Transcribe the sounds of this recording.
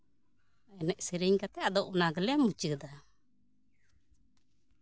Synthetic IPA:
ɛnɛʔsiɾiɲkat̪ɛad̪ɔʔɔnaɡəlɛamut͡ʃəd̪a

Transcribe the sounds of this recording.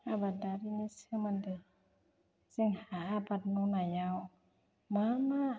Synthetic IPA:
abadaɾinisimandɛ | siŋhaabatnunaja | mama

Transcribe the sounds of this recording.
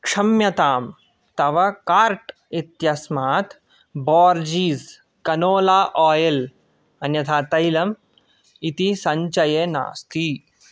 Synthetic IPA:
kʂɐmjɐt̪aːm | t̪ɐʋɐkaːɾʈ | it̪jɐsmaːt̪ | bɔːɾd͡ʒiːz | kɐnoːlaːʔɔːjɐl | ɐnjɐt̪ʰaːt̪ɐjlɐm | it̪isɐɲt͡ʃɐjeːna̰ːst̪i

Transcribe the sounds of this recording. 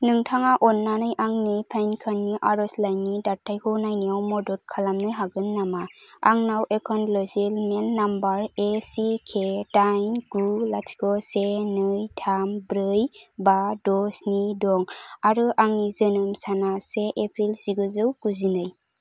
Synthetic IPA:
nɯŋtʰaŋaʔɔnːanɯjʔaŋnɯjpʰajnkʰanːiʔaɾɔslajnidatʰːajkʰɯwnajniawmɔdɔt̚kʰalamnɯjɦaɡɯnːamaaŋnawekʰɔnlɔzilmenːambaɾesikʰetajnɡulasɡɔsenɯjtʰambɾɯjbadɔsnidɔŋaɾɯʔaŋnizɯnɯmsanaseʔepʰɾilsiɡɯzɯwkuzinɯj

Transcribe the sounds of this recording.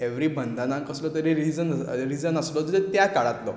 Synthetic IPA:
eʋɾiːbʱənd̪anãŋkəslɔt̪əɾeɾid͡zənɾid͡zənəslɔd͡z̪t̪et̪jakaɭat̪lɔ̰

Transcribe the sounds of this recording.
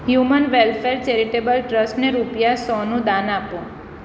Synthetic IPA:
ɦjumənʋelfeɾt͡ʃeɾiʈebəlʈɾəsʈneɾupjasɔnũd̪anapũ

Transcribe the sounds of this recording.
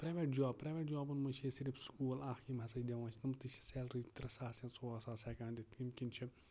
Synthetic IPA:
pɾeːʋeːʈ̚d͡ʒaːbpɾeːʋʲeːʈ̚d͡ʒaːbɨnmɐnʲt͡ʃʰeːsiɾifskuːlaːximɦɐsɐd͡ʒd̪ʲeʋãːt͡ʃʰinɐmt̪ɨt͡ʃʰi̥seːlɾit̪ɾɐsaːsẽːt͡soaːsaːsɛːkãːnd̪ʲit̪ʰimkʲint͡ʃʰi

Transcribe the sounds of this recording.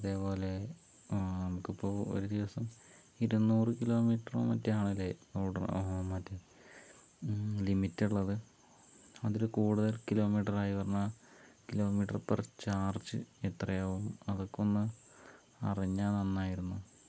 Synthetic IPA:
ɐðe̞ːpo̞ːle̞ | nɐmukːipːo̞ːo̰ɾud̪iʋɐsɐm | iɾunːuːrɨkilo̞ːmiːʈːɐro̰ːmɐ̰tːɐaːɳilːeoːɽɐmɐtːɨ | limitːuɭːɐðɨ | ɐðoɾukuːɽuðɐlkilo̞ːmiːʈɐraːjiʋɐrɐnːakilo̞ːmiːʈːɐrpert͡ɕaːrt͡ɕːɨ̰et̪rɐjaʋumɐðokːonːɨ | ɐ̰riɲːaːnenːaːjiɾunːu

